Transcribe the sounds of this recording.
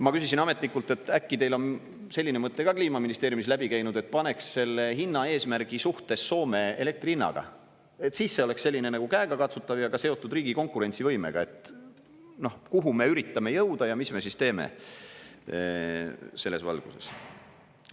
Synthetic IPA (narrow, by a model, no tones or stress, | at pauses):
mɑkysisinɑme̞t̪nikːult̪ːˑe̞t̪ːˑækːit̪e̞jlon | se̞lʲːinemɤt̪ːe̞ɡɑkliːmɑminist̪eːɾjumislæbikæjnud̪̥e̞t̪̚ːˑpɑne̞ksːe̞lːe̞hinːɑe̞ːsmæɾɡ̥isuht̪e̞sːo̞ːme̞ele̞k̚t̪rinːɑ̰ɡ̥ɑ̰ | e̞t̪sisːe̞o̞le̞ksse̞lʲːinenɑɡ̥ukæeɡɑkɑt̪sut̪ːˑɑvjɑɡ̥ɑse̞o̞t̪ːˑud̪riːɡiko̞ŋkːˑuɾe̞nʲt̪sivɤjme̞̰ɡ̥ɑe̞t̪ˑ | no̞hkuɦume̞yɾit̪ːˑɑme̞jɤwd̪ɑjɑmisme̞sist̪e̞ːmḛ | se̞lːe̞svɑ̰lɡ̥use̞̰s